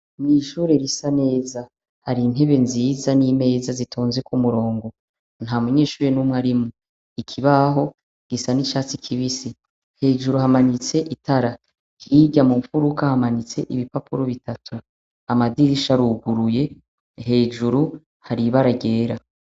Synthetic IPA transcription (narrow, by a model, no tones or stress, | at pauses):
niʃuːɾe̞ɾisane̞ːza | haɾin̥ɦe̞βe̞nziːzaniːme̞ːzazitʰoːnzekumuɾo̞ːŋɡo̞ | n̥hamuɲe̞ːʃuːɾenumŋaɾimu | ikʰiβaɦo̞ | ɡ̥isanit͡ʃaːt͡sikʰiβisi | he̞ːʒuɾuhamanit͡se̞ʔitaɾa | kiɟamuɱfuɾukahamanit͡se̞̰ʔiβipapuɾoβitʰatʰu | amadiɾiʃaɾuɡuɾuje̞ | he̞ːʒuɾu | haɾiβaɾaɟe̞ːɾa